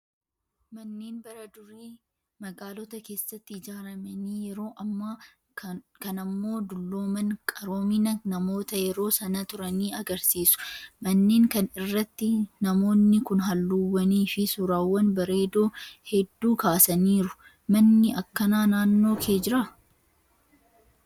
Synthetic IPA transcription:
mɐnːeːnbɐɾɐd̪ʊɾiː | mɐɡaːlɔt̪ɐke̞ːsːɐt̪ːɪɪd͡ʒaːɾɐmɐniːjɛɾo̞ːʔɐmːɐ | kɐnɐmːo̞ːd̪ʊlːo̞ːmɐnkʼɐɾo̞ːmɪnɐnɐmo̞ːt̪ɐjɛɾo̞ːsɐnɐt̪ʊɾɐniːɐɡɐɾsiːsʊ̥mɐnːeːŋkɐnɪrːɐt̪ːɪnɐmo̞ːnːɪkʊnɦɐlːuwːɐniːfɪsuːɾaːwːɐnbɐɾe̞ːd̪o̞ːhɛd̪ːuːkaːsɐniːɾʊ | mɐnːɪʔɐkːɐnaːnaːnːo̞ːkʰe̞ːd͡ʒɪɾɐ

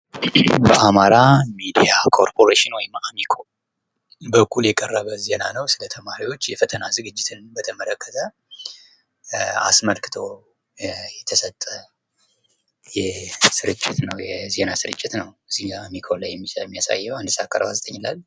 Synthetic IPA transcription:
bəʔamaɾamid̪ijakʰo̞ɾpʰo̞ɾeʃɪnwɔjɪmamikʰo̞ | bəkʰːuljɛkʼərːəβəze̞nanəwsɨlət̪ʰəmaɾiwo̞t͡ʃːjɛfət̪ʰənazɨɡɨd͡ʒːɪt̪ʰɨnbət̪ʰəmələkʰːət̪ʰə | a̰sməlkɨ̥t̪ʰo̞ | jɛt̪ʰəsət̪ʼːə | jɛsɨɾɨt͡ʃʼːɪt̪nəwjɛze̞nasɨɾɨt͡ʃʼːɪt̪nəwɨzːihamikʰo̞lajːɛmːimːijasa̰jːɛwand̪ɨsakːa̰ɾbazt̪ʼəɲːɪlalː

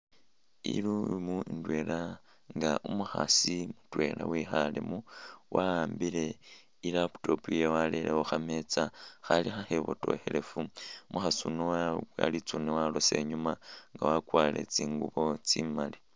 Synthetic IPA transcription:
ḭlumuindwe̞la | ŋɡaʔumuxa̰simutwe̞lʔawixalḛmuwʔaaːmbile̞ | ilapu̥to̞pujewaleleoxame̞t͡saxalixaxeβo̰to̞̰xele̞fumʔuxasunoaa̰lit͡sunewalose̞ɲumaŋɡawakwale̞̰t͡siːŋɡuβo̞t͡simali

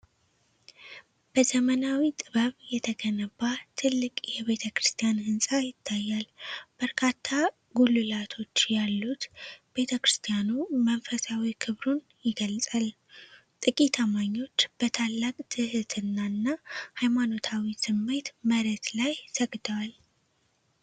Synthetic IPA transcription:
b̥əzəmənawit̪ʼɨβəβjɛt̪ʰəɡənəbat̪ʰɨlːɨkʼjɛβe̞t̪ʰəkɾɨst̪ʰijanhɨnsʼajɪt̪ʰːajːalb̥əɾkʰat̪ʰːa | ɡulɨlat̪ʰo̞t͡ʃːjalːut̪b̥e̞t̪ʰəkɾɨst̪ʰijanumənfəsawikʰɨβɾun | jɪɡəlsʼal | t̪ʼɨkʼit̪ʰamaɲːo̞t͡ʃːb̥ət̪ʰalːakʼt̪ʰɨhɨt̪ʰɨnːaɨnːahajmano̞t̪ʰawisɨmːe̞t̪məɾət̪lajt̪ʰəɡd̪əwal

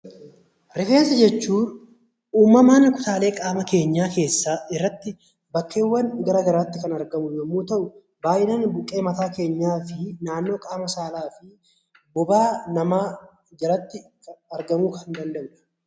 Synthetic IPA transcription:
ɾɪfeːnsɐd͡ʒɛt͡ʃːuːn | uːmːɐmaːnːɐkʊ̥t̪aːle̞ːkʼaːmɐke̞ːɲːaːke̞ːsːaːɪrːɐt̪ːɪ | bɐkːe̞ːwːɐnɡɐɾɐːɡɐɾaːt̪ːɪkɐnɐɾɡɐmʊjoːmːuːt̪ɐʔʊ | baːʔɪnɐnbʊkʼːe̞ːmɐt̪aːke̞ːɲːaːfɪnaːnːo̞ːkʼaːmɐsaːlaːfɪ | bɔbaːnɐmaː | d͡ʒɐɾɐt̪ːɪkɐɾɡɐmuːkʰɐnd̪ɐnd̪ɐʔʊᶑɐ̥

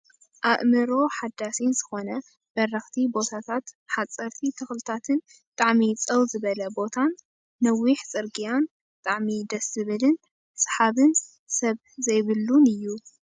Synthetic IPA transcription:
ʔaβmɨɾo̞ħad̪ːasiz̥ɨxo̞nɐ | b̥ɐrːɐxt̪ʰibo̞t̪ʰat̪ʰat̪ħat͡sʼːɐɾt̪ʰit̪ʰɨxlɨt̪ʰat̪ʰɨn | bɨt̪ʼaʕmit͡sʼɐwzɨβɐlɐbo̞t̪ʰanː | ɐwiħt͡sʼɨɾɡijan | bɨt̪ʼaʕmid̪ɐszɨβɨlɨn | sʼħaβɨn | sɐβ | zɐjβɨlːunɨjːu

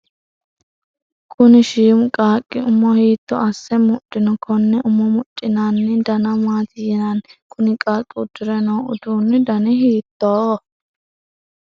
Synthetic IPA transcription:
kʰʊnɪʃiːmkʼaːkʼːɪʊmːɔhiːt̪ːɔ̰ɐsːɛmʊt͡ʃʼːɪnɔkʰɔnːɛʔʊmːɔmʊt͡ʃʼːɪnaːnːɪd̪ɐnɐmaːt̪ɪjɛnankʰʊnɪkʼaːkʼːɪʊd̪ːʊɾɛnoːʊ̰d̪uːnːɪd̪ɐnɪɦiːt̪ːoː

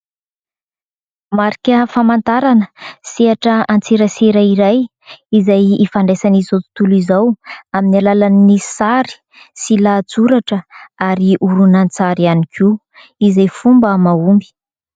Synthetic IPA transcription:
maɾikʲəfamant̪aɾanəsiaʈ͡ʂəant͡seɾəseɾaiɾaj | izajifaɳɖ͡ʐesanizowt̪u̥t̪ulizawaminalalannisaɾi̥ | silad͡zuɾaʈ͡ʂəaɾiʔuɾunant͡saɾianikʰu | izajfumbəmaumbi̥

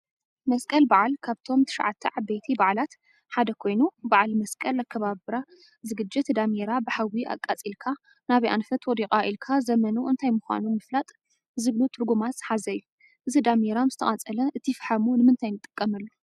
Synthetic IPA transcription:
mɐskʼɐlbaʕalkʰaβt̪ʰo̞mt̪ʰɨ̥ʃa̰ʕat̪ʰːɐʕabejt̪ʰibaʕlat̪ | ħad̪ɐkʰo̞jnubaʕalmɐskʼɐlakʰːɐβaβɨɾa | zɨɡɨd͡ʒːɪt̪d̪ameɾabɨħawiʔa̰kʼat͡sʼilkʰa | naβiʔa̰nfɐt̪wɔd̪ikʼaʔilkʰazɐmɐnuʔɨnt̪ʰajmʊxʷa̰numɨflat̪ʼ | zɨɡlut̪ʰɨɾɡumat̪z̥ħazɐjːu | ʔɨzid̪ameɾamzɨt̪ʰɐ̰ɐt͡sʼɐlɐʔɨt̪ʰifħamunɨmɨnt̪ʰajnɨt̪ʼːɨkʼːɐmɐlːu

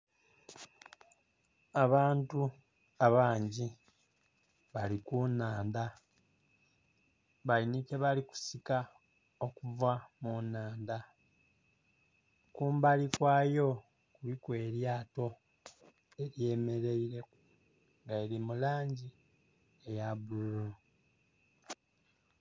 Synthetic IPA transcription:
aβaːntu | aβaːɲɟi | βalikunaːnda | βajinike̞βaliku̥sika | okuvamunaːnda | kuːmbalikwaːjo̞ | kulikwe̞ːɾjaːto̞ | e̞ɾje̞ːme̞ɾe̞iɾe̞ | ŋɡaeɾimulaːɲɟi | ejaβululo

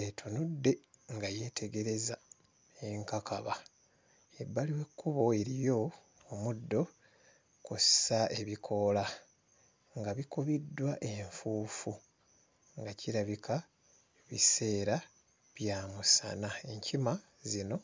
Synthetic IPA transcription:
etʰunudːe̞ŋɡaje̞tʰe̞ɡe̞ɾe̞za | eŋkakʰaβa | jebːaliwe̞kːuβo̞e̞ɾijo̞ː | mudːo̞ | kossae̞βikʰo̞la | ŋɡaβikoβidːwaʔe̞ɱfuːfu | ŋɡacʰiɾaβikʰa | βise̞ːɾa | βjaːmusa̰nae̞ɲcʰima | zino̞

